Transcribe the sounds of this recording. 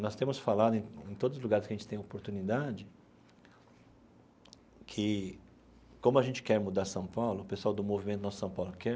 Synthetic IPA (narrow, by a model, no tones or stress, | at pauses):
nɔst̪ẽmʊsfalad̪ʊẽẽt̪od̪ʊzʊzluɡaɾɪskaʒẽnt͡ʃɪt̪ẽj̃opoɾt̪unid̪ad͡ʒɪ | kʰɪ | kõmʊaʒẽnt͡ʃɪ̥kɛɾmud̪aɾsɐ̃w̃pawlʊpesuawd̪ʊmovimẽt̪ʊnɔssɐ̃w̃pawlʊkɛ